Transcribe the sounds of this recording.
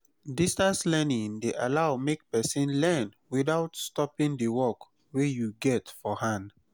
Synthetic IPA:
distaslɛnĩŋdeʔalaʊmek̚pɛsĩnlɛn | widaʊtstɔpĩŋdəwɔk | wejuɡɛtfɔhãnd

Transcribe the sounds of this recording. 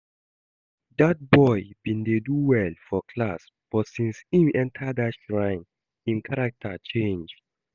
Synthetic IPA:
dat̚bɔjbĩndeduwɛlfɔkʰlas | b̥ɔtsĩnsĩmʔɛ̃ntʰadatʃɹãɪ̃n | ĩnkʰaɹak̚tʰat͡ʃẽnd͡ʒ

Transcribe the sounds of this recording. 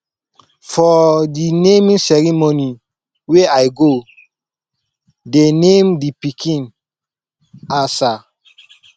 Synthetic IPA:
fɔdinemĩnsɛɹimoni | weajɡo | denẽmdipikʰĩn | asa

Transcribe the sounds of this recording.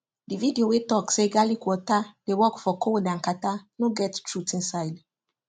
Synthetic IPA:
dividiowetɔkseɡalikwɔtad̥ewɔkfɔkʰowodãnkatanoɡɛttɹutĩnsaɪd

